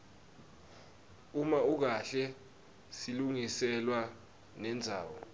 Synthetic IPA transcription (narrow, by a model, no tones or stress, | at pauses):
umauk̬aɬɛ | siluŋisɛlwa | nɛnd͡zʱa̰ːwɔ